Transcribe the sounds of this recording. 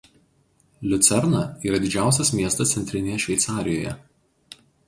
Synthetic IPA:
lʲʊt̪sʲɛɾnɐiːɾɐd̪ʲɪd͡ʒʲæˑʊsʲɛsmʲiɛst̪ɐst̪sʲɛnʲt̪ʲɾʲɪnʲejɛʃʲʋʲɛɪsɑːɾʲɪjoːjɛ̰

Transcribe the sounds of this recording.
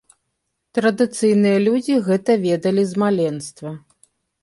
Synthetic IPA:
t̪ɾɐd̪ɨt̪sɨjnɨjɐlʲud͡zʲiɣɛt̪ɐvʲɛd̪ɐlʲizmalʲɛnst̪vɐ

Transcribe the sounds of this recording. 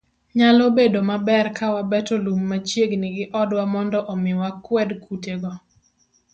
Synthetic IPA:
ɲalobedomabɛrkawabɛtolumːat͡ʃjeɡnɪɡɪʔɔdwamɔndɔʔɔmɪwakwɛdkuteɡɔ

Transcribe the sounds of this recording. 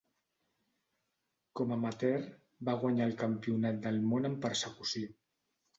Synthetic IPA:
komamat̪ɛɾ | baɣ̞waɲaəlkampiunat̪̚d̪əlmonəmpaɾsakusi

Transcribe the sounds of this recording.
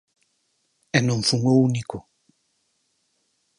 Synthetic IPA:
enũɱfuŋouniko

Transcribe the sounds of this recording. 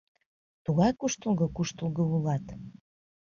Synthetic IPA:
t̪uɣɑjkuʃt̪əlˠɣɤ̆kuʃt̪əlˠɣəulɑt̪

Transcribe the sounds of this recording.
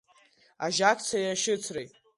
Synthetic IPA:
aʒakʰʲʼt͡sʰajaʃɪt͡sʰrejtʼ

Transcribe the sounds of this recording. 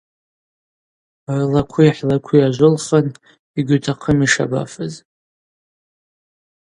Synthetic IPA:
rlakʷʰuiħlakʷʰiaʒʷʊlχan | iɡʲʷʏtʰaqʰəmiʂa̰ba̰fɨz

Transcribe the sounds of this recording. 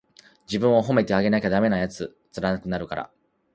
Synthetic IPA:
d͡ʑibɯ̟̃ɰ̃o̞ɦo̞me̞t̪e̞aɡe̞nakʲad̪ame̞najat͡sɨ | t͡sɨɾanakɯ̟naɾɯ̟kaɾa̰

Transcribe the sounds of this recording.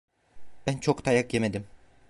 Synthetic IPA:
b̥ænt͡ʃʰokt̪ʰɑjakjemed̪im

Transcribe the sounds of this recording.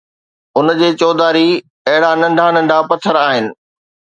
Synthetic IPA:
ʊnd͡ʑeːt͡ɕɔːd̪aːɾi | ɐɦɪɽanɐ̃ɳɖʱanɐ̃ɳɖʱapɐt̪ʰəɾaːɦɪnɪ̆

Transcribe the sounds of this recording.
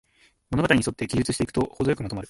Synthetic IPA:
mono̞ɡat̪aɾʲiɲiso̞t̪ːe̞ɡʲiʑɨt͡sɨɕi̥t̪e̞ikɯ̥t̪ohod̪o̞jo̞kɯ̟mat̪omaɾɯ̟

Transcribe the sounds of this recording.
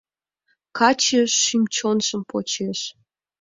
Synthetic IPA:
kɑt͡ɕeʃːimt͡ɕonʒə̆mpʰo̰t͡ɕeʃ

